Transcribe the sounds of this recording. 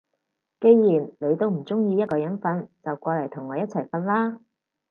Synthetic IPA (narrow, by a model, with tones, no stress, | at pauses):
ke˧jjiː˨˩nle˨˧jt̪o˥˧wm̩˨˩t͡sʊ˥ŋjiː˧jɐ˥t̚kɔː˧jɐ˨˥nfɐ˨˧nt͡sɐ˨wkʷɔː˧lɐ˨˩jt̪ʰʊ˨˩ŋːɔː˨˧jɐ˥t̚t͡sʰɐ˨˩jfɐ˧nlaː˥